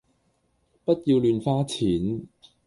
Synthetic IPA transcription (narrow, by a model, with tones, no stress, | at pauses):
pɐ˥t̚jiː˧wlyː˨˧nfaː˥t͡sʰiː˨˥n